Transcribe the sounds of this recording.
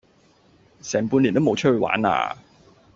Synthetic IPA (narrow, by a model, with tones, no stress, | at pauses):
sɛː˨˩ŋpuː˧nliː˨˩nt̪o˥mo˨˧wt͡ʃʰɵ˥hɵ˧wa̰ː˨˥na̰ː˧